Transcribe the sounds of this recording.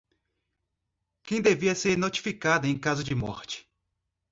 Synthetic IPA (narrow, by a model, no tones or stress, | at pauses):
kẽj̃d̪eviɐseɾnot͡ʃi̥fikad̪ɐẽkazʊd͡ʒɪmɔ̰ɾt͡ʃɪ̥